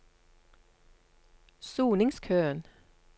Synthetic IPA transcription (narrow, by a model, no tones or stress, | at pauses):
suːnɪŋskʰøːən